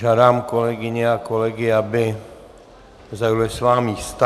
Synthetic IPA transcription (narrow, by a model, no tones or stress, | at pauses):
ʒaːdaːmkolɛɡɪɲɛakolɛɡɪabɪ | zajulɪsvaːmiːst̪a